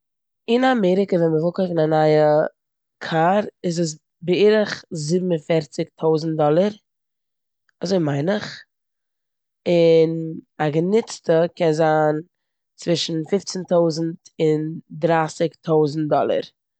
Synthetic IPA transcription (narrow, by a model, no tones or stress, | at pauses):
ɪnamɛɾɪkəvɛnməvɪlˠkoɪfɪnanaɪə | kʰaɾɪzəs̬ | bɪiːɾəχzɪbm̩ənfɛɾt͡sɪktʰoʊzn̩t̚dɔlˠəɾ | azoɪmaɪnɪχ | ɪnaɡənɪt͡stəkɛnzaːn | t͡svɪʃn̩fɪft͡sɛntoʊzn̩tɪndɾaːsɪktʰoʊzn̩t̚dɔlˠə̰ɾ